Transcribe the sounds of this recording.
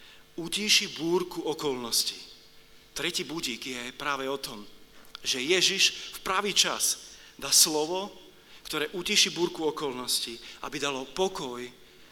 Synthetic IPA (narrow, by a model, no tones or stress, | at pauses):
uciʃibuːɾkuɔkɔlnɔsci | t̪ɾɛciːbuɟiːɡjɛpɾaːʋɛɔt̪ɔmʒɛjɛʒiʃfpɾaʋiːt͡ʃaz | d̪aːslɔʋɔ | kt̪ɔɾɛːʔuciʃibuːɾkuɔkɔlnɔsciʔa̰bid̪alɔpɔkɔj